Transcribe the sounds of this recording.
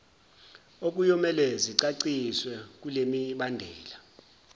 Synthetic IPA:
ok̬ʼujɔmɛlɛziǀaǀiswɛk̬ʼulemiɓandʱɛːla

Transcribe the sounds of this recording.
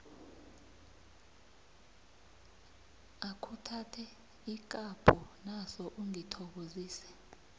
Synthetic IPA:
akʰutʰatʰɛ | ik̬ʼab̥ʰʱʼɔnasɔʔuŋitʰɔk̬oziːsɛ̥

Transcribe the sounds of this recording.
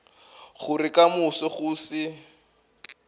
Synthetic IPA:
χʊrɪkamʊsɔχʊːsɪ

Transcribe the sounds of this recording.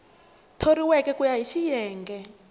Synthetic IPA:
tʰoɾiwɛkɛkujaɦiʃijɛːŋɡɛ

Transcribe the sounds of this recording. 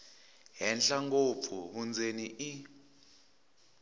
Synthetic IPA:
ɦɛnɬaŋɡop̪fʰuβund͡zeniʔi

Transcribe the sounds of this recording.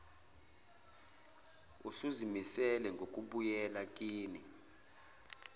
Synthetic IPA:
usuzimisɛlɛŋɡʱok̬ʼuɓujɛlakʼiːni

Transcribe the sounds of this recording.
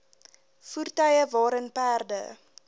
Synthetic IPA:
furtœjəvɑːɾənpæːrdə̰

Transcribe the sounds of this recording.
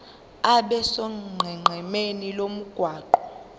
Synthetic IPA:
aɓɛsɔŋ͡ǃʱɛŋ͡ǃʱɛmenilom̩ɡ̥ʱwaːǃɔ

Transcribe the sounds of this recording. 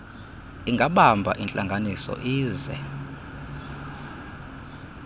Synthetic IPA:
iŋɡʱaɓambʱa̰ʔint͡ɬʼaŋɡʱanisɔ̰ʔiːzɛ̰

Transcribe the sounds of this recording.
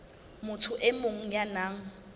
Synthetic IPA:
mʊtʰʊʔɪmoŋ̩janaːŋ̩

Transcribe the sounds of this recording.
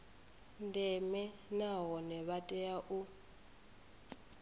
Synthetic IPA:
ndɛmɛnaɦɔnɛβatʼɛjaʔu

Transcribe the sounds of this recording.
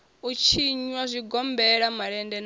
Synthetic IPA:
ut͡ʃʰiɲwazʷiɡɔmbɛɺamaɺɛndɛn

